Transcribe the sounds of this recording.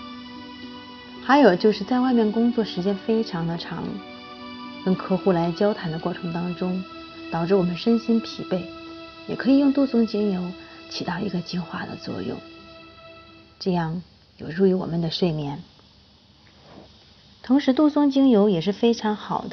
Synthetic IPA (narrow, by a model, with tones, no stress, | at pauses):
xa˧˥ɪjo˨˩ʊt͡ɕjo˥˧ʊʂɻ̩˥˧t͡sa˥˧ɪwa˥˧ɪmjɛ˥˩nkʊ˥ŋt͡swɔ˥˩ʂɻ̩˧˥t͡ɕjɛ˥nfe˥ɪʈ͡ʂʰɑ˧˥ŋd̪ə˧ʈ͡ʂʰɑ̰˧˥ŋ | kə˥nkʰɤ˥xu˥˩la˧˥ɪt͡ɕjɑ˥ʊt̪ʰa˧˥nd̪ə˧kwɔ˥˩ʈ͡ʂʰɤ˧˥ŋt̪ɑ˥ŋʈ͡ʂʊ˥ŋ | t̪ɑ˨˩ʊʈ͡ʂɻ̩˥˧wɔ˨˩mə˦nʂə˥nɕi˥npʰi˨˩pe˥˩ɪjɛ˨˩kʰɤ˧˥i˨˩jʊ˥˧ŋt̪u˥˩swʊ˥ŋt͡ɕi˥ŋjo˧˥ʊt͡ɕʰi˨˩t̪ɑ˥˩ʊi˧˥ɡə˧t͡ɕi˥xwa̰˥˩d̪ə̰˩t͡swɔ̰˥˧jʊ̰˥˩ŋ | ʈ͡ʂɤ˥˧jɑ˥˩ŋ | jo˨˩ʊʈ͡ʂu˥˧i˧˥˩wɔ̰˨˩mə˦nd̪ə˧ʂwe˥˧ɪmjɛ˧˥˩n | t̪ʰʊ˧˥ŋʂɻ̩˧˥t̪u˥˩swʊ˥ŋt͡ɕi˥ŋjo˧˥ʊjɛ˨˩ʂ̬ɻ̩˥˩fe˥ɪʈ͡ʂʰɑ˧˥ŋxɑ˨˩ʊd̪ə˦